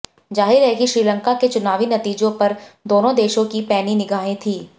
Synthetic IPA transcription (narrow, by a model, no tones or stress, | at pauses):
d͡ʒaːɦɪɾɦɛkiʃɾiːlə̃ŋkaket͡ʃʊnaːʋinɐt̪iːd͡ʒõpɐɾd̪oːnõd̪eːʃõkipɛːninɪɡaːẽt̪ʰiː